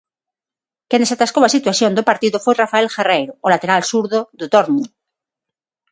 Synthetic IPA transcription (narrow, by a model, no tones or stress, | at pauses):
kenesat̪askowasit̪waθjond̪opaɾt̪iðofojrafaelxarejɾoolat̪eɾalsuɾðoðot̪oɾni